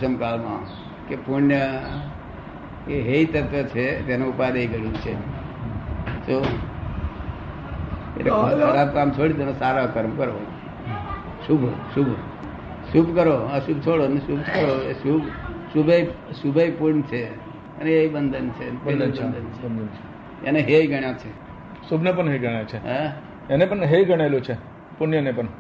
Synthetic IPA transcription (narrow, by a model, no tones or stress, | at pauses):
səmkalmã̰ | kepunjə | keɦeit̪ət̪ʋət͡ʃʰet̪janũupaɾəiɡəjũt͡ʃʰe | so | ḛʈːekəɾap̚kamt͡ʃʰoɽid̪enosaɾakəɾmkəɾo | ʃubʱʃubʱ | subkəɾoəsubʱt͡ʃʰoɽonesubʱkəɾoesubsubʱejsubʱejpuɾɳt͡ʃʰe | əneeibənd̪ʱənt͡ʃʰepeəənd̪ənt͡ʃʰed̪nt͡ʃʰe | ḛneɦeiɡʱəɳjat͡ʃʰe | subʱnepəɳɦeɡʱəɽajt͡ʃʰeɦẽ | enepəɳɦeiɡəɽ̃aelut͡ʃʰe | punjənepəɳ